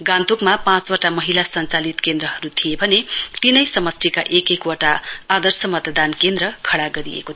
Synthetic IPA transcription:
ɡãnt̪ukmapãt͡swoʈamʌɦilasʌnt͡salit̪kend̪ɾʌɦʌɾut̪ʰijebʱʌnet̪inʌjsʌmʌsʈ̪ʰika̰ʔekekwoʈaːd̪ʌrsʌmʌt̪ʌd̪ankend̪ɾʌkʰʌɽaɡʌɾḭḛkot̪ʰ

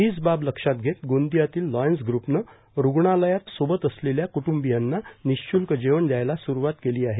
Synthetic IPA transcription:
ɦiːd͡zbabləkʂat̪̚ɡʱet̪ɡond̪ijat̪iːlːɔjənsɡɾupnə | ɾuɡɳaləjat̪sobət̪əsleljakuʈumbijanːaniɕt͡ɕulkəd͡ʑeʋəɳd̪jajlasuɾuʋat̪keliːaɦe

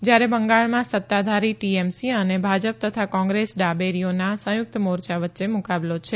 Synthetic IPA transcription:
d͡ʒjaɾebəŋɡaɭmãsət̪ːad̪ʱaɾiʈiemsiənebʱad͡ʒəp̚t̪ət̪ʰakɔ̃ŋɡɾesɖabeɾijonasə̃jʊk̚t̪əmoɾt͡ʃaʋət̪ːʃemukablot͡ʃʰe

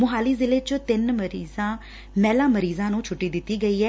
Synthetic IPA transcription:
mʊɦaːliːzɪleːt͡ʃət̪ɪnməɾiːzãː | mɛːlãːməɾiːzãːnũːt͡ʃʰʊʈːiːd̪ɪt̪ːiːɡəiːɛː

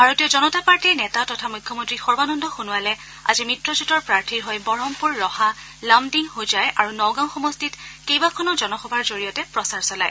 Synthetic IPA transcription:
bʱaɹotijɔzɔnɔtapaɹtiɹnɛtatɔtʰamujkʰːɔmɔ̃ntɹixɔɹbanɔndɔxunualɛ | a̰zimitɹɔzutɔɹpɹaɹtʰiɹɦɔjbɔɹɔmpuɹːɔha | lamdiŋhozajʔaɹunɔwɡaʊ̃xɔmɔstitkejbakʰɔnɔzɔnɔxɔbʱaɹzoɹijɔtɛpɹɔsaɹsɔla̰j

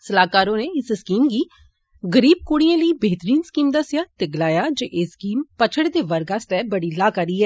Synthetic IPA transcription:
səlaːkaːɾõːneːɪsskiːmɡiː | ɡəɾiːb̚koːɽɪijãːləiːbeːt̪əɾiːnskiːmd̪asɪjaːt̪eːɡəlaːjaːd͡ʒeːʔeːskiːmpət͡ʃʰəɽd̪eːʋəɾɡaːst̪ɛːbəɽiːlaːkaɾiːɦɛː

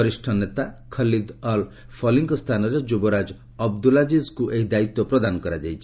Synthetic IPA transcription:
ɔɾisʈʰɔnet̪akʰʌlid̪ɔl | pʰɔliŋkɔst̪ʰanɔɾed͡ʒubɔɾad͡ʒ | ɔb̚d̪ulad͡ʒizkuʔeɦid̪ait̪ɔpɾɔd̪anɔkɔɾad͡ʒajt͡ʃʰi̥

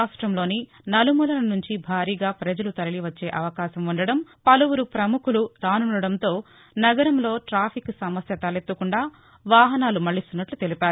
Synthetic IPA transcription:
aːʂʈɾɐmlo̞ːni | nɐlumulɐnɐnuɲt͡ʃibʱaːɾiːɡaːpɾɐd͡ʒɐlut̪ɐɾɐliʋɐt͡ʃːe̞ːʔɐʋɐkaːʃɐmuɳɖɐɽɐmpɐluwuɾupɾɐmukʰuluɾaːnuɳɖɐɽɐnt̪o̞ː | nɐɡɐɾɐmlo̞ːʈɾaːpʰiksɐmɐsjɐt̪ɐlet̪ːukuɳɖaː | ʋaːɦɐnaːlumɐɭːist̪unːɐʈlut̪elipaːɾuu

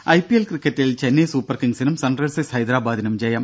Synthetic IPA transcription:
ʔɐɪpiɛlkɾɪkːɐʈːɪlt͡ʃɛnːeːsuːpɐɾkɪŋsɪnɐmsɐnɖrɐɻsɐshɐjd̪ɪɾaːbaːd̪ɪnɐmd͡ʒɐjɐm

